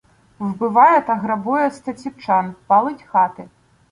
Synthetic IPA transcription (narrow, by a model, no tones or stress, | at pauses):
wbɨvajɛt̪ɐɣɾɐbujɐst̪ɐt͡sʲiwt͡ʂanpalˠɨtʲxat̪ɨ